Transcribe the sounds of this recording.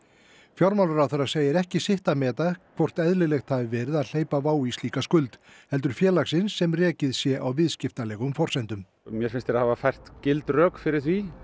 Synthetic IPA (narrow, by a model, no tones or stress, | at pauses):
fjɔɾmawlʏɾawθɛɾːaseːjɪɾɛhcɪsɪht̪amɛːt̪akʰvɔr̥t̪ɛðlɪlɛxt̪havɪvɛːɾɪðaðl̥eːjpavaːwist̪iːkaskʏlt̪ | hɛl̪t̪ʏɾ̥fjɛːlaxsɪnsːɛmrɛːcɪðsjɛʔawvɪðscɪft̪alɛːɣʏmfɔr̥sajnt̪ʏm | mjɛɾfɪnst̪ɪɾaðhavafajr̥t̪cɪlt̪rœːkfɪɾɪðθvi